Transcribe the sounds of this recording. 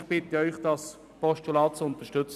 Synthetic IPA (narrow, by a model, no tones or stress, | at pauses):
χb̥ɪt̪əœʏχd̥̪ɑs | pɔʃtulɑːt͡sʊnt̪əʃtʏt͡s